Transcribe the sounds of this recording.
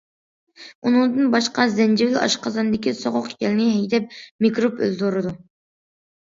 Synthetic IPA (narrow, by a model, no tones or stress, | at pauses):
unɨŋd̪ɨnbɑʃqɑzɛnd͡ʒɪvɪlɑ̰ʃqʰɑzɑnd̪ɪkʲisoʁʊqjɛlɪnɪɦɛjd̪ɛp̚mikʲɾopø̰ld̪oɾɨd̪u